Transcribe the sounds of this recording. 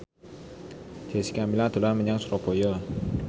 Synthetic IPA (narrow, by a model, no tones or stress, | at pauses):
d͡ʒesi̥kamilad̪̥ṳlanməɲaŋsɾopojɔ